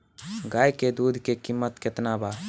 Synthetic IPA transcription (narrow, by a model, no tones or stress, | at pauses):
ɡajked̪ud̪ʱkekimːət̪ket̪naba